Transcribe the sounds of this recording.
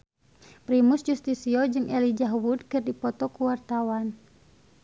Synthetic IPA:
pɾimusd͡ʒust̪isiɔd͡ʒɨŋɛlid͡ʒaɦwud̚kɨrdipɔt̪ɔkuwart̪awan

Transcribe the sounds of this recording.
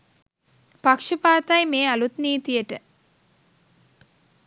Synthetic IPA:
pakʂɐpaːt̪ajmeːɐlut̪niːt̪ijəʈə

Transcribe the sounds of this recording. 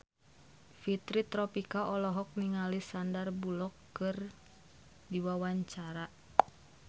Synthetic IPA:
fit̪ɾit̪ɾɔpikaʔɔlɔɦɔk̚niŋalisandarbulɔkː | ɨr | diwawaɲt͡ʃaɾa

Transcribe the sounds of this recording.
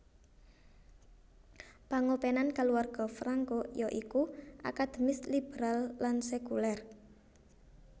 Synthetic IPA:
paŋopenankaluarɡ̥ɔfɾaŋkojɔʔikuʔa̰kad̪̥emɪslib̥ɾalːansekulɛr

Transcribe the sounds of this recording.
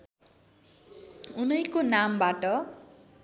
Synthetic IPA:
unʌjkonambaʈʌ

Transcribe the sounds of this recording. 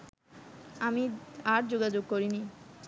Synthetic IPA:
amiaɾd͡ʑoɡad͡ʑoɡ̚koɾini

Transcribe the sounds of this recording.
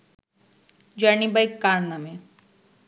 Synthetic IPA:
d͡ʒanibajkːaɾname

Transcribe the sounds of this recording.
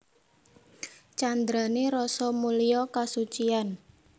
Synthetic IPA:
t͡ʃand̪ɾaneɾɔsɔmulijɔkasut͡ʃian

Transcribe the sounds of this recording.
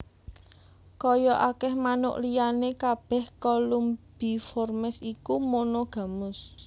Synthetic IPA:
kɔjɔʔakɛhmanʊ̰ʔlijanekab̥ɛ̤hkɔlumb̥i̤fɔrmɛsikumonoɡ̥ä̤mʊs

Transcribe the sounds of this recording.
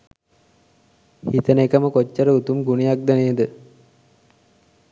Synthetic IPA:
hit̪ənekəməkot͡ʃːəɾəut̪umɡunijak̚d̪æneəd̪ə

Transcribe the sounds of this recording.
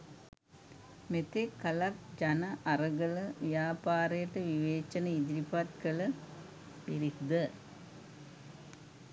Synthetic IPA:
met̪ekːɐlɐrd͡ʒɐnɐʔɐrɐɡɐɭʋjaːpaːɾɐjɐʈːɐʋiʋeːt͡ʃːɐnɐid̪iɾipat̪kɐɭɐ | ʋiɾid̪ɐ

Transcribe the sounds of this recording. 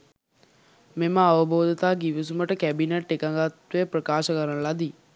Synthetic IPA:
meməaʋəboːd̪ət̪aːɡiʋis̬uməʈəkæbineʈːekaŋɡat̪ʋejprəkaːʃəkəɾənlad̪i

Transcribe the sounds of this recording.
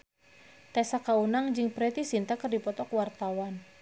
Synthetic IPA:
t̪ɛsakaunaŋd͡ʒɨŋpɾɛt̪isint̪akərdipɔt̪ɔkwart̪awan

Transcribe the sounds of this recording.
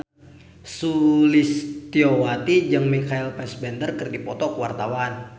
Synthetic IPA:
sulist̪iowat̪id͡ʒəŋmikailpɛsbɛnd̪ərkərdipɔt̪ɔkəwart̪awan

